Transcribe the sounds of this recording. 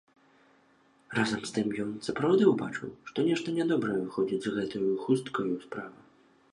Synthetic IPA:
razɐmst̪ɨmjɔnsɐpɾawd̪ɨwbat͡ʂɨ̰wʂt̪ɔnʲɛʂt̪ɐnʲɛd̪ɔbɾɐvɨxɔd͡zʲid͡zʲzɣɛt̪ujuxust̪kɐjuspɾavɨ

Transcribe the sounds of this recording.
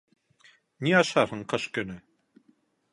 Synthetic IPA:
niɑʃɑɾhɤɴqɤ̆ʃkɵ̆nɘ

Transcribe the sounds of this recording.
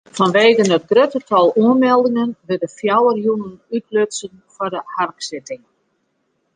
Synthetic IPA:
fɔnʋeːɣənət̚drɾøtətʰɔlˠuənmɛlˠdɪŋənʋɪdəfjawərjunənytløtsən | fɔrdəharksɪtɪŋ

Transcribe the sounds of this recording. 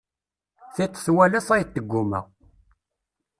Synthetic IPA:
θit̪ˤːθwælæθæjt̪ːəɡʷːumæ̰

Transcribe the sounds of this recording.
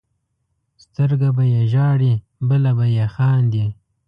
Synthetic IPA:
st̪əɾɡabajeʒɑːɽi | bəlabajexɑːnd̪i

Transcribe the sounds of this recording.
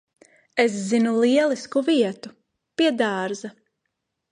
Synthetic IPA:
eszinulˠiɛliskuviɛt̪u | piɛd̪aːɾza

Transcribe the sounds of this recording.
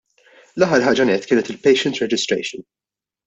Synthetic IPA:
lɐħːɐɾħɐːd͡ʒɐnɛt̪ːkɪːnɛt̪ɪlpɛjʃɛnt̪ɾɛd͡ʒɪst̪ɾɛ̰jʃɪn

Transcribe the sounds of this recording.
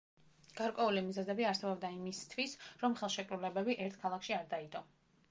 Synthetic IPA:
ɡ̥aɾkʼwɛulimizɛzɛbiaɾsɛbɔbd̪aimist̪ʰwisɾɔmχɛlˠʃɛkʼɾulɛbɛbiʔɛɾt̪̚ʰkʰalˠakʰʃiaɾd̪aid̪ʼɔ

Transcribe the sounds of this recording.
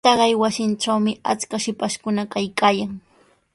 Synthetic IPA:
t̪ɑɢɑjwasɪnʈ͡ʂawmɪa̰t͡skaʃɪpaʃkʊnakajkaːjaŋ

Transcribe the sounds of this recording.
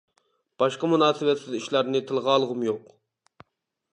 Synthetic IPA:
b̥ɑʃqɑmunɑːsɨwɛt̪sɪziʃlˠæɾnɪt̪ʰɨlˠʁɑːlˠəʁʊmjoq

